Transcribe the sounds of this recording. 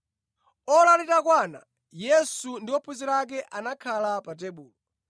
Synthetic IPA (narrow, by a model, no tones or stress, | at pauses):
ɔlalitakwana̰ | jɛsundiwɔpʰuzilak̬ɛʔanakʰalapat̬ɛɓuːlɔ